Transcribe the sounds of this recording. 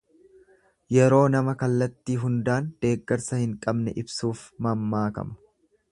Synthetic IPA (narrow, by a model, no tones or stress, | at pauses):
jɛɾo̞ːnɐmɐkɐlːɐt̪ːiːɦʊnd̪aːnd̪̥e̞ːɡːɐɾsɐhɪŋkʼɐbnɛʔɪbsuːfmɐmːaːkɐ̰mɐ̥